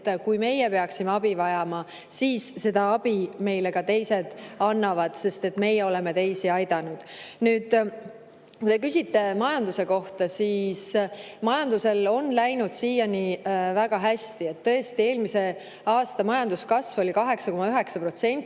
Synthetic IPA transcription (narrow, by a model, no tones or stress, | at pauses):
t̪ːkujme̞jɛpeɑksimeɑbivɑjɑmɑ | siːsse̞d̪̥ɑɑb̥ime̞jlekɑt̪e̞jse̞d̪̥ɑnːɑvɑd̪̥se̞st̪e̞t̪ːme̞jːɛo̞le̞me̞t̪e̞jsiɑjd̪ɑnud̪̥nyːd̪̥ | kut̪e̞kysʲit̪ːe̞mɑjɑnd̪use̞ko̞ht̪ɑsiːsmɑjɑnd̪use̞lo̞nlæjnud̪̥siːjɑnivæɡ̥ɑɦæst̪ie̞t̪ːɤest̪ie̞ːlmise̞ | ɑːst̪ɑmɑjɑnd̪̥uskɑsvo̞likɑɦe̞ksɑko̞mɑyɦe̞ksɑpro̞t̪se̞nʲt̪ː